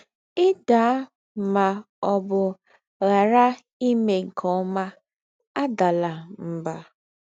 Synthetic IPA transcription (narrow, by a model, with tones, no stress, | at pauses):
ɪ˦da˨˦ | ma˨ | ɔ˨bʊ˨ | ɣa˨ɾa˦ | i˦me˨ŋ̩˨kʰɔ˦ma˦ | a˦da˨la˨m̩˨ba˨